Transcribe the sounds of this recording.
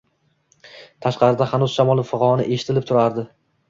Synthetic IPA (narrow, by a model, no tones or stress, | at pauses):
t̪ʰaʃqɑɾɪd̪ahanʊzʃamɒlˠɪfʊqɑɾɒnɪ̰ʔe̞ʃɪ̥t̪ʰɪlɪp̚t̪ʰʊɾaɾd̪ɪ